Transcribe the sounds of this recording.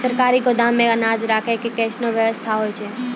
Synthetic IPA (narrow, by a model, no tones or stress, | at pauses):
səɾkaɾikod̪amẽənad͡ʒɾakʰekekɛʃnoʋjəʋəst̪ʰaɦojt͡ʃʰe